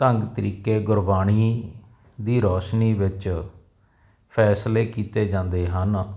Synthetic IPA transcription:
t̪əŋɡt̪əɾiːkeːɡʊɾbaːɽiː | d̪iːɾɔːʃniːʋɪt͡ʃ | pʰɛːsleːkiːt̪eːd͡ʒãːnd̪eːɦən

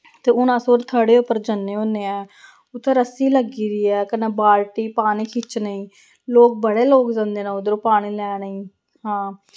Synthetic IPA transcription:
t̪eːʊnãːsoːɾt̪ʰaɽeːʊpːəɾd͡ʒənːẽːõneːɛ̃ː | ʊt̪ʰːeːɾəsiːləɡiːd̪iːɛːkənaːbaːlʈiːpaːnĩːkʰɪt͡ʃnəĩː | loːk̚bəɽeːloːkd͡ʒãːnd̪eːnãːʊd̪əɾoːpaːɽ̃iːlɛːnəĩː | hãː

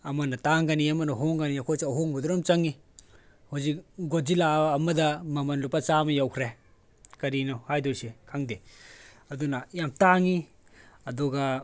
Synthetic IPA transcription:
ɐmɐnɐtaŋɡaniɐmɐnɐɦɔŋɡaniakʰɔjsiɐɦoŋbɐdɔɾɔmt͡ʃɐŋi | huzik̚ɡɔd͡ʒilaːmɐdɐmɐmɐnlupat͡ʃamɐjawkʰɾe | kɐɾinɔhajdɔɾsekʰaŋde | ɐdunɐjamtaŋi | ɐduɡa

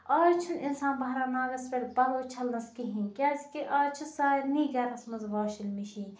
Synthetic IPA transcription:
aːjt͡ʃʰuninsaːnbɐɦɾaːnaːɡɐspeɽbɐloːt͡ʃʰɐlnɐskiɦinʲkʲaːzkiʔaːt͡ʃʰusaːiniːɡɐːɾnɐsmɐnzʋaːʃilmiʃiː

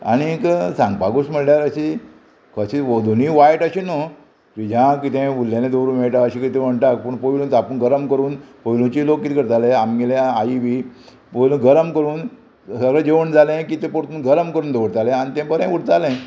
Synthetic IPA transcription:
a̰ɽ̃iksãŋɡpaɡosm̤əɽljaɾəɕi | kʰəɕiʋod̪ʱuniʋajʈəɕino | kid͡ʑãkit̪ẽulːjaned̪ʱoɾumeɭʈaəɕikət̪ẽm̤əɳʈak̚pəɳpəjluːnt͡sapuːɳɡəɾəmkəɾuːnpəilũt͡ɕilokːit̪ikəɾt̪aleamɡelẽaiʋi | pəjlũɡəɾəmkəɾuːn | səɡɭəd͡ʑeʋəɳd͡zʱalẽkit̪epoɾt̪uːnɡəɾəmkəɾuːnd̪eʋəɽt̪alẽañit̪ɛ̃pəɾẽuɽt̪alẽ

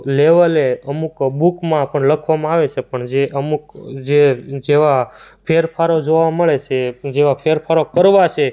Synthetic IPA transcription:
leʋəleəmukbukmãpəɳləkʰʋamãaʋet͡ʃʰepəɳd͡ʒeʔəmukd͡ʒed͡ʒeʋapʰeɾpʰaɾod͡ʒoʋaməɭet͡ʃʰed͡ʒeʋapʰeɾpʰaɾokəɾʋat͡ʃʰe

